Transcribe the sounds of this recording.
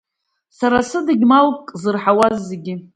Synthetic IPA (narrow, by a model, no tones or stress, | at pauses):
saɾasɨdɨɡʲmalkʼzɨrħawazːeɡʲɪ